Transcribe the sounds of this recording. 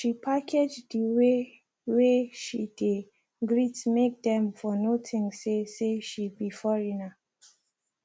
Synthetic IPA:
ʃipʰakʰed͡ʒdiwe | weʃid̥e | ɡɹitmek̚dɛ̃mfɔnotʰɪ̃ŋseseʃibifɔɹina

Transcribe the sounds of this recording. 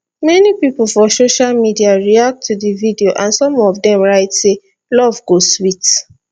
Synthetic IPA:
mɛnipipl̩fɔsoʃalmidiaɹiak̚tʰːudividioʔãnsɔ̃mɔvdɛ̃mɹaɪtse | lɔvɡoswit

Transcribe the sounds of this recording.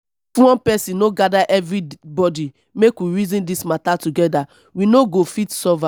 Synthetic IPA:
fwɔ̃npɛsĩnnoɡadaʔɛvɹibɔdi | mekwiɹizĩndismatatuɡɛda | winoɡofitsɔva

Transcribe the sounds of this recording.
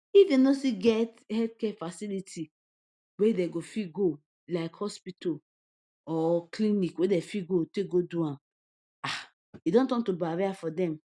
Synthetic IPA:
ifdenosiɡɛt | hɛldkɛfasilitʰi | wedɛɡofiɡo | laɪkhɔspitɔ | ɔklinikwedɛfiɡotek̚ɡoduã | a | idɔ̃ntɔ̃ntubaɾeafɔdɛ̃m

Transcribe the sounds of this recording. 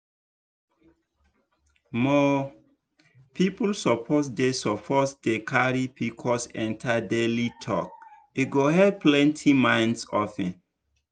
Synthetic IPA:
mɔ | pʰipulsɔpʰos̬desɔpʰɔsdekʰaɹipikʰɔsɛ̰̃ntʰadelitʰɔ̰k̚ | eɡoɦɛd̚plɛ̃ntʰimãɪ̃nsɔfɛ̃n

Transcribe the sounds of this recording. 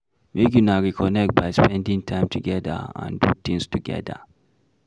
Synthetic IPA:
mek̬inaɾikʰɔnɛk̚t̚bajspɛ̃ndɪ̃ŋtʰaɪ̃mtʰuɡɛda̰ã̰ndut̪ɪ̃ŋstuɡɛ̰da̰

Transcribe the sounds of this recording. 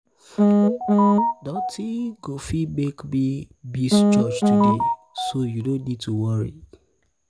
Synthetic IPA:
dɔ̃tʰiɡofiɡ͡bekbibisd͡ʒɔd͡ʒtudesojudõnnid̚tʰuwɔɹḭ

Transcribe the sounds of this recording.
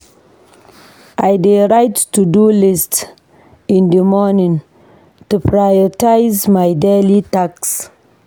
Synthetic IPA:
ʔajdeɾajtːudulist | ĩndəmɔnĩŋ | tupɹajɔtajzmajdelitaks

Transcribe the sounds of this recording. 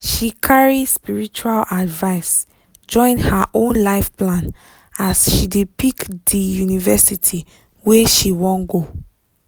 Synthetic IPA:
ʃikʰaɹispiɹit͡ʃualadvaɪs | d͡ʒɔ̃ɪ̃nhaʔõnlaɪfplãn | asʃidepikdijunivɛsitʰi | weʃiwɔ̃nɡo

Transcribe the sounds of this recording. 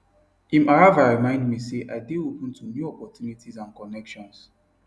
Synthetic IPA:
ĩmaɹavaɹimãɪ̃ndmiseʔaɪdeopə̃ntʰumjuɔpɔtjunitʰizãnkɔnɛkʃɔ̃ns

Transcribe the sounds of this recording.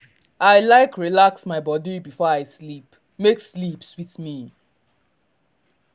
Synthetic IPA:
aɪlaɪkɹilaksmaɪbɔdibifɔaɪslip | mekslipswitmi

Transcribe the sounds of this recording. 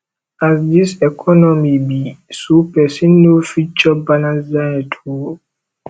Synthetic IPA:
asdisɛkʰɔnɔmibisupɛsĩnːofit͡ʃɔbalãnsdãtʰo

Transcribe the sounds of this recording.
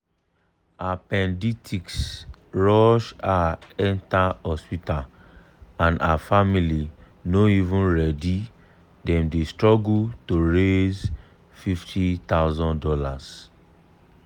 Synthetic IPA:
apɛ̃nditʰiksɹɔʃaɛ̃ntaɔspita | ãnaafamili | noivũnɹɛdi | dɛ̃mdestɹɔɡutoɹez | fiftʰitaʊzɔ̃ndɔlas

